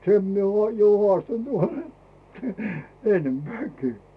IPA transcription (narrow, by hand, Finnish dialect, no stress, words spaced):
sem mie ŭoˑ jo hŏɑˑstɑnt ʋɑrem enːempĕæˑkiː